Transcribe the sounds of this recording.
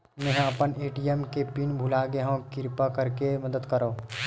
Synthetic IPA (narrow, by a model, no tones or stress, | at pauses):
mɛ̃ɦɐpəneːʈijemkepiːnbʱʊlaːɡeɦõkɪɾpakɐɾkemɐd̪əd̪kəɾoː